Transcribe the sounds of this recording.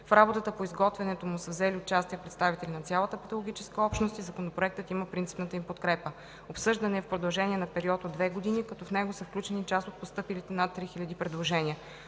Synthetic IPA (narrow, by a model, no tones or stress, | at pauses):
fɾabot̪ət̪əpoizɡɔt̪vɛnɛt̪omʊsəvzɛliot͡ʃast̪iɛpɾɛt̪st̪avit̪ɛlʲinɐt̪sʲjalˠət̪əpɛt̪ɐlˠoɡ̟ʲit͡ʃɛskəɔpʃnost̪izɐkonopɾoɛk̚t̪ət̪iməpɾint̪si̥pnət̪əimpot̪kɾɛpə | opsɤʒd̪ɐnɛːfpɾod̪ɐlˠʒɛnʲiɛnɐpɛɾiɔt̪od̪vɛɡod̪inikɐt̪ɔfnɛɡosəfklʲut͡ʃɛnit͡ʃast̪ot̪̚post̪ɤpilit̪ɛnat̪ːɾixilʲɐd̪ipɾɛd̪lˠoʒɛnʲiə